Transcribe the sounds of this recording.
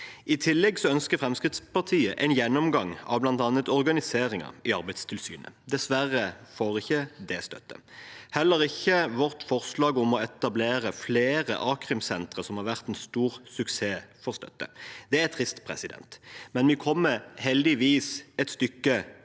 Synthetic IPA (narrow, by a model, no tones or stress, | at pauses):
ɪt̪ʰɪlːɛɡsɔœnskəɾfʁɛmskʁɪt̪spɑʁt̪ʰiːəʔɛ̰ɪnjɛnːɔmɡɑŋɑ̰ʋblɑnt̪ɑnːət̪ɔʁɡɑnɪseːɾɪŋə̰ɪɑɾbæɪst̪ʰɪlsy̰ːnə̰d̪ɛsʋæʁəfoːʁɪçːəd̪ɛst̪œ̰t̪ːə̰ | hɛlːəɾɪçːəʋɔʁt̪fɔʁslɑːɡɔmɔɛt̪ɑbleːɾəfleːʁə̰ʔɑːkʁɪmsɛnt̪ʁəsɔmhɑʁʋæʁt̪ɛnst̪uːʁsʉkseːfɔʁst̪œ̰t̪ːə̰d̪ɛæɾɛt̪ʰʁɪst̪pʰʁɛ̰sɪd̪ɛ̰nt̪mɛnʋɪkʰɔmːəhɛld̪ɪʋiːsɛt̪st̪ʏkːə